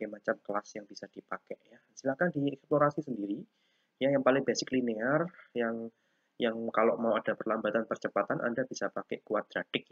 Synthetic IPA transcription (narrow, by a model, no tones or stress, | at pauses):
emat͡ʃamkəlasjaŋbisad̥ipakɛʔja | silahkandiɛksploɾasisəndiɾi | jajaŋpalɪŋbɛsɪklinearjaŋ | jaŋkaloʔmawad̥apərlambat̪anpərt͡ʃəpat̪anʔa̰ndabisapakɛʔkuat̪̚d̪ɾadɪk̚